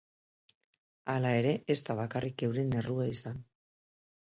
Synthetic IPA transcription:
alae̞ɾe̞ʔest̪aβ̞akarʔike̞wɾe̞ne̞ruaisan

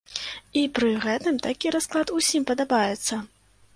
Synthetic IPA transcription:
ipɾɨɣɛt̪ɨmt̪akʲiɾasklˠat̪usʲimpɐd̪abajɛt̪sːɐ

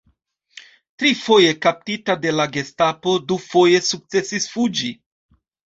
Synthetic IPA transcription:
tɾifo̞je̞kap̚titade̞laɡe̞stapo̞dufo̞je̞suk̚t͡se̞sisfud͡ʒi

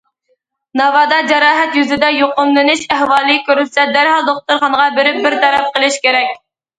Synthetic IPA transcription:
nɑvɑːd̪ɑd͡ʒɛɾɑːɦɛt̪jyzɪd̪ɛjoqʊmlɨnɨʃæhwɑːlˠɨkʲøɾysɛd̪æɾhɑlˠd̪oχ̚t̪uɾχɑnəʁɑbɪɾɪp̚bɪɾt̪ʰɛɾɛp̚qəlˠɪʃkʲeɾɛkʲ

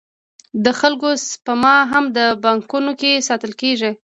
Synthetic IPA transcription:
d̪əxalkospəmɑɦamd̪əbɑŋkunokesɑt̪əlkeʒi

